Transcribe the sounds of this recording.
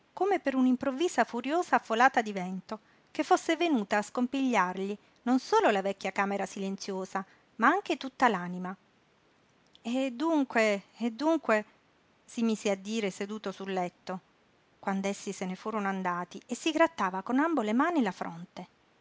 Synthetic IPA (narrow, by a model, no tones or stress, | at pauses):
komepeɾunimpɾovːiːzafuɾjoːzaːfːolaːt̪ad̪ivɛnt̪o | kefːosːevenuːt̪aːskompiʎːarʎi | nonsoːlolavɛkʲːjakaːmeɾasilent̪sjoːza | maaŋk̟et̪ut̪ːalaːnima | ed̪ːuŋkweːd̪ːuŋkwe | simiːzead̪ːiːɾesed̪uːt̪osulːɛt̪ːo | kwand̪oesːisenefuːɾonoand̪aːt̪iesːiɡɾat̪ːaːvakonambolemaːnilafɾʔo̰nt̪e